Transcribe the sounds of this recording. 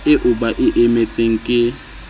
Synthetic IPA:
ɪʔʊbaʔɪʔemet͡sʼeŋ̩kʼɪ

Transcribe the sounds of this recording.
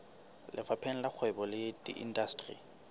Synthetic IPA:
lʔɪfapʰɛn̩lak͡xʰwɛbɔlɪdʼḭʔḭn̩dastʼrḭ

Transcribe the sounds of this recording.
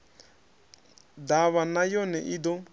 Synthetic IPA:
d̪aβanajɔnɛʔid̪ɔ

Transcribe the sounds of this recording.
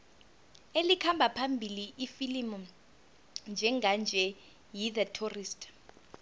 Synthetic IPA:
elikʰambʱapʰambʱiliʔifilimɔ | nd͡ʒʱɛŋand͡ʒʱɛ | jiðatʰurist

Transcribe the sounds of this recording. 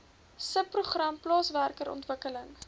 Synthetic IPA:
səpːruχrɐmplɑːsværkəɾɔ̰ntvəkələŋ

